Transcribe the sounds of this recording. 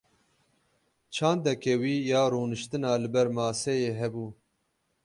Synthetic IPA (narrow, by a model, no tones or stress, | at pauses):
t͡ʃʰɑ̃ːnd̪ɛkɛwiːjɑːɾuːnɨʃt̪ɨnɑːlɨbɛɾmɑːsɛjeːɦɛbuː